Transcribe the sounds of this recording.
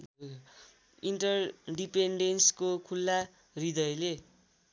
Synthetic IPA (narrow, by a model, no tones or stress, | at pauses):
iɳʈʌrɖipeɳɖenskokʰulːa | rid̪ʌjle